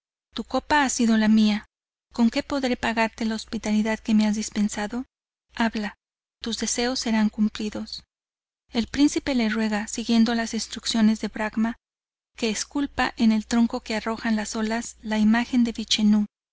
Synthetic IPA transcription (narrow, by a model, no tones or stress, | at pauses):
t̪uko̞paasiðo̞lamia | ko̞ŋke̞po̞ðɾe̞paɣaɾt̪e̞laospit̪aliðaðke̞me̞azðispe̞nsaðo̞ | aβla | t̪uzðe̞se̞o̞sːe̞ɾaŋkumpliðo̞s | e̞lpɾinsipe̞le̞rwe̞ɣasiɣje̞nd̪olasinst̪ɾuksjo̞ne̞zðe̞βɾaɣma | ke̞ːskulpaʔe̞ne̞lt̪ɾo̞ŋko̞ke̞aro̞xanlaso̞laslaimaxe̞nd̪e̞βit͡ʃenu